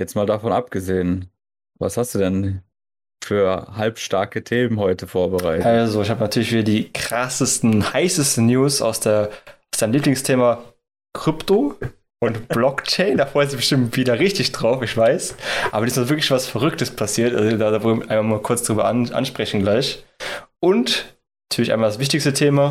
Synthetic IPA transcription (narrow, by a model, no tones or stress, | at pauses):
jɛt͡stmaːldafɔnʔap̚ɡ̥əzeːən | va̰shastd̥uːdɛn | fyːɐhalpʃtaɐkətʰeːmənhɔʏtʰəfoːɐbəʁa̰ɪtalzoɪçhaːbənatʰyːɐlɪçv̥iːdɐdiːkʁ̥asəstn̩haɪsəstn̩njuːsa̰ʊsd̥eːɐaʊsd̥aɪəmliːplɪŋstʰeːma | kʁ̥ʏpto | ʔʊntb̥lɔkt͡ʃɛɪndaːfʁ̥ɔʏənzɪçb̥əʃtɪmtv̥iːdɐʁɪçtɪçd̥ʁaʊfɪçv̥aɪsʔaːbɐdismavɪɐklɪçv̥asfɛɐʁʏk̚tʰəspʰasiːɐtʔa̰lzodadavɔʔaɪnmamaːkʰʊɐt͡sd̥ʁyːbɐʔanʔa̰nʃpʁ̥ɛçn̩ɡlaɪçʔʊnt | nnatʰyːɐlɪçʔaɪnmaldasv̥ɪç̬tɪçstətʰeːma